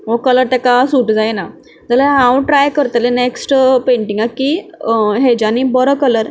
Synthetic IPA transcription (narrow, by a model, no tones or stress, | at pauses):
ʋokələɾt̪ekasuːʈd͡zajna | d͡zalaɦãwʈɾajkəɾt̪leneksʈpeɳʈiŋɡakiːɦed͡ʑanibəɾɔkələɾ